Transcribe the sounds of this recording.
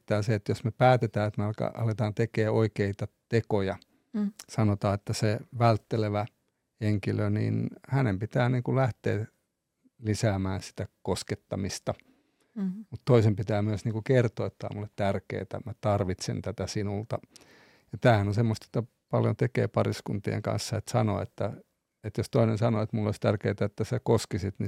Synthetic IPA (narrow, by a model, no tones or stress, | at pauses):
t̪æːseet̪josmepæːt̪et̪æːet̪meɑlkɑ̰ʔɑ̰let̪ɑːnt̪ekeːoikeit̪ɑt̪ekojɑ | sɑnot̪ɑːet̪ːæseʋælt̪ːeleʋæ | eŋkilønḭːnhænempit̪æːniːŋkulæht̪ḛː | lisæːmæːnsi̥t̪ækosket̪ːɑmist̪ɑ | mut̪t̪oisempit̪æːmyøsniːŋkukert̪oːet̪ːæo̰mulːet̪t̪ærkḛːt̪æ̰mæt̪ɑrʋit̪sḛnt̪æt̪æsinult̪ɑ | jɑt̪æːhænonsemːost̪jot̪ːɑ | pɑljo̰nt̪ekḛːpɑriskunt̪iḛŋkɑ̰̃nsːɑet̪sɑno̰ḛt̪ːæ | et̪jost̪oinensɑnoet̪mulːo̰ist̪ærkeːt̪æet̪ːæsækoskisit̪ni